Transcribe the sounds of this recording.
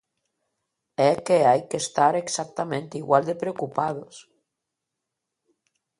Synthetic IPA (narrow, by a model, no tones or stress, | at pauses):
ekeajkest̪aɾeksak̚t̪amẽnt̪eiɣwald̪epɾeokupaðos